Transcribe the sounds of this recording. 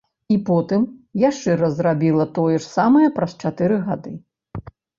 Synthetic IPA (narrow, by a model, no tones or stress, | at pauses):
ipɔt̪ɨmjaʂt͡ʂɛɾɐzrabʲilˠɐt̪ɔjɛʂsamɐjɐpɾɐst͡ʂat̪ɨɾɨɣad̪ɨ